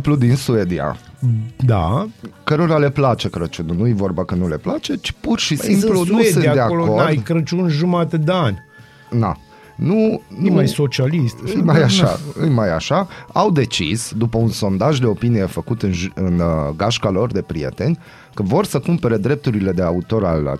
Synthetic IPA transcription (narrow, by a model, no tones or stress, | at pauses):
plud̪insued̪ia̰ | d̪akəɾo̞ɾale̞plat͡ʃe̞kɾət͡ʃununujevo̞rbakənule̞plat͡ʃe̞t͡ʃi̥purʃisimplunusd̪ɨnad̪eakoloo̞radj̪kɾət͡ʃunʒumat̪ed̪eanʲ | na̰ | nunmajso̞t͡ʃialistt̪ɨjmajaʃaɨjmajaʃaawd̪e̞t͡ʃisd̪upəunso̞nd̪aʒd̪e̞o̞pinije̞fəkut̪ɨnʒɨnɡaʃkalo̞rd̪e̞pɾije̞̰t̪e̞nʲ | kəvo̞rsəkumpe̞ɾe̞d̪ɾe̞p̚t̪uɾile̞d̪e̞aut̪o̞ɾa̰l̰